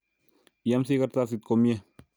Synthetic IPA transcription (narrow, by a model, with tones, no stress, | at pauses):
ja˦msi˦ka˦ɾta˦˨si˨t̪̚ko˨mjɛ˦